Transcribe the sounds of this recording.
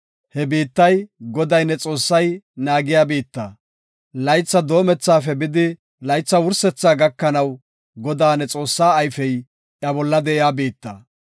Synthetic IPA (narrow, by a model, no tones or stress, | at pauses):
hɛbiːt̪ːɐjɡɔd̪ɐjnːɛt͡sʼo̞ːsːɐjnaːɡɪjaːbiːt̪ːa̰ː | lɐjt͡sːɐd̪o̞ːmɛt͡sːaːfɛbɪd̪ɪ | lɐjt͡sːɐwʊɾsɛt͡sːaːɡɐkːɐnɐw | ɡɔd̪aːnɛt͡sʼo̞ːsːaːjfɛj | ʔɐbɔlːɐd̪ɛʔɪjaːbiːt̪ːa̰ː